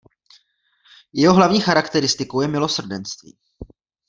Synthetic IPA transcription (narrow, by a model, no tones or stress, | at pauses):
jɛɦo̞ɦlavɲiːxaɾakt̪ɛɾɪst̪ɪkowjɛmɪlo̞sr̩dɛnst̪vḭː